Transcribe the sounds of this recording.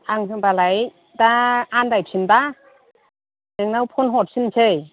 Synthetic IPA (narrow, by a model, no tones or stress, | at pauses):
aŋsʰɯŋbalaj | daandajp̚sʰinda | neŋnawpʰɔnɦɔt̚sʰinsʰej